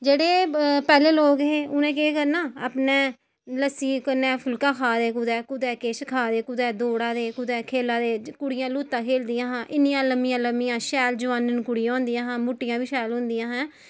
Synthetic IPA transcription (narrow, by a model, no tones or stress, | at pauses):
d͡ʒeːɽeːpɛːleːloːɡɦeːʊnẽːkeːkəɾnaːa̰ːpneː | ləsiːkənɛːpʰʊlkãːkʰaːd̪eːkʊd̪ɛːkʊd̪ɛːkeːʃkʰaːd̪eːkʊd̪ɛːd̪oːɽaːd̪eːkʊd̪ɛːkʰeːlãːd̪eːkʊɽɪjãːluːt̪ːãːkʰeːld̪ɪjãːɦãːʔɪnijãːləmːijãːləmijãːʃɛːld͡ʒʊʋaːnənkʊɽɪjãːʊ̃nd̪ɪjãːɦãːmʊʈːɪjãːʋiːʃɛːlɦʊ̃nd̪ɪjãːɦãː